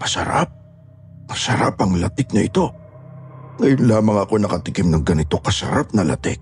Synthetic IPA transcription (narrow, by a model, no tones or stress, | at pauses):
pɐsɐ̰ɾa̰p̚ | kɐsɐɾa̰pɐŋlɐt̪ɪk̚nɐʔɪt̪o̞ | ŋɐjʊnlaːmɐŋɐko̞nɐkɐt̪ɪkɪmnɐŋɡɐnɪt̪o̞kɐsɐ̰ɾap̚nɐlɐ̰t̪ɪ̰k̚